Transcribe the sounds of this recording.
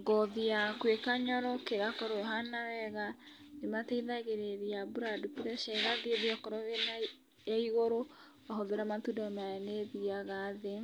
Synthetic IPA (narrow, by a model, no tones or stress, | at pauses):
ɡɔðijakwekaɲɔɾɔkeɣakɔɾojɔɦanawɛɣa | nemataiðaɣeɾeɾiabuɾadupuɾɛʃɛɣaðieðiɔkɔɾɔena | jaiɣoɾo | aɦɔðeɾamatudɔmajaneðiaɣaðe